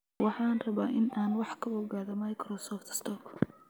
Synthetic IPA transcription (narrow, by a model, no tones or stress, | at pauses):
wɑħɑːnrɐβaːʔɪnaːnwɑħkʰɐbɔɣaːðɐmɐjkʰɾɔsɔːft̪ʰɪ̥st̪ʰɔːkʰʊ̥